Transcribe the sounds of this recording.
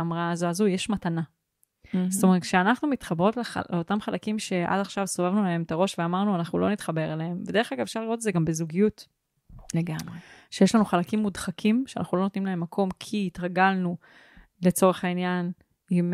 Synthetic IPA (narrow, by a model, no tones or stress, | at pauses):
amʁaːzuazujeʃmatana | st̪ome̞tkʃeanaχnumit̪χabʁo̞tlea̰leo̞tamχalakimʃe̞ʔa̰daχʃavsovavnulae̞mt̪aʁo̞ʃveamaʁnuanaχnulo̞nit̪χabe̞ʁelehemvede̞e̞χaɡaveʃaʁliʁo̞t̪̬ezeɡambezuɡijut | leɡamʁeʃejeʃlanuχalakimːudχakʰimʃea̰na̰χnulo̞not̪nimlae̞mːakʰo̞mkʰiːtʁaɡalnu | le̞t͡so̞ʁe̞χainjan | im